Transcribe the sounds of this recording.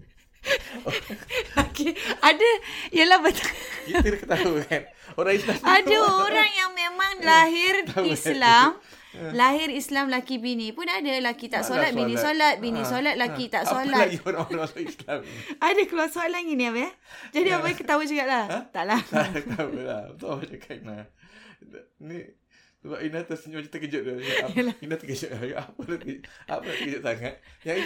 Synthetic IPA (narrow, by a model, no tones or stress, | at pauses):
lakiadəiəlahbət̪akit̪əɾkət̪aukan | oɾaŋislamadaoɾaŋjaŋmemaŋlaɦɪrislam | laɦɪrislamlakibinĩpʊnadalakit̪aʔsolat̪̚binĩsolat̪̚binĩsolat̪̚lakit̪aʔsolaoɾaŋoɾalaislamadakəluarsoat̪̚laŋinĩapəad͡ʒadiapakət̪aud͡ʒuɡaʔlaht̪aʔlat̪aawəlat̪aat͡ʃakʰaʔna | ni | səbapinat̪asəɲt͡ʃat̪əkəd͡ʒəʔ̪̚dalainat̪əkəd͡ʒoʔaʔapənaa̰pənaʔt̪əkəd͡ʒʊt̪̚saŋat̪̚ja